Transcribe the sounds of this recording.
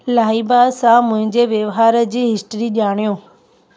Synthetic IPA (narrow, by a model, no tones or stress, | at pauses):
laːibaːsãmʊ̃ɦɪ̃ɲd͡ʑeʋjɐʋɦaːɾəd͡ʑiːɦɪsʈɾiʄaːɽ̃ijõː